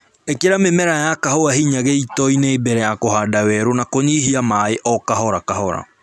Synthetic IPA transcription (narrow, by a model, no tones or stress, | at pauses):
ekeɾamemɛɾajakahoaɦiɲaɣeitɔineːbɛɾɛjakoɦaːdawɛɾonakoɲiːɦiamaeʔɔkaɦɔɾakaɦɔɾa̰